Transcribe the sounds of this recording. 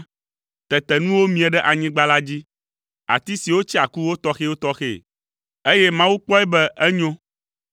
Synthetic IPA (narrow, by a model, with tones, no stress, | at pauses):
t̪ɛ˨t̪ɛ˨nũ˦wo˦mĩ˨ɛ˨ɖɛ˦ʔa˨ɲĩ˦ɡ͡ba˦la˦d͡ʑi˦ | a̰˨t̪i˦si˨wo˦t͡ɕi˦a˨ku˦wo˦t̪ɔ˦xe˦wo˦t̪ɔ˦xḛ˦˨ | e˦je˦mã˦wu˦k͡pɔ˦ɛ˦bɛ˦ʔɛ˦ɲõ˦